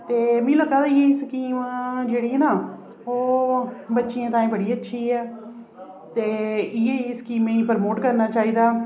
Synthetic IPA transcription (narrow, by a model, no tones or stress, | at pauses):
t̪eːmĩːləkːaːd̪aːɪeːskiːmad͡ʒeːɽiːɛːnaː | oːbətːʃiːãːt̪ãːĩːbəɽiːətːʃʰiːɛː | t̪eːɪjeːiːskiːmeːiːpəɾmoːʈkəɾnaːt͡ʃaːiːd̪aː